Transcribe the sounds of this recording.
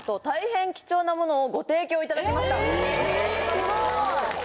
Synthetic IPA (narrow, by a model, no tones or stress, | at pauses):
t̪o̞t̪aihẽ̞ŋkʲi̥t͡ɕo̞ːnamo̞no̞ːɡo̞t̪e̞ːkʲoːit̪ad̪akʲemaɕi̥t̪a